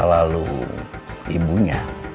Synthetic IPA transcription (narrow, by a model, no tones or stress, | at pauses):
alalṵ | ibuɲa